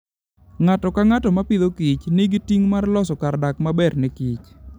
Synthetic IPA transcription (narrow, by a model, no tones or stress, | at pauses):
ŋatɔkaŋatɔmapɪd̪okit͡ʃnɪɡitiŋmarlɔsɔkardakmabɛrnɛkit͡ʃ